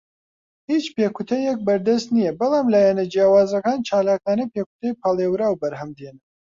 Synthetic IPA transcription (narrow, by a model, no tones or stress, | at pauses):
hiːt͡ʃpeːkʰut̪ʰɐjɛk̚bɐɾd̪ɐst̪nijɛbɐlˠɑːmlaːjɛnɐd͡ʒijaːwaːzɐkaːnt͡ʃʰaːlaːkaːnɐpeːku̥t̪ʰɐjpʰɑlˠeːwɾaːwbɐɾɦɐmd̪enɐ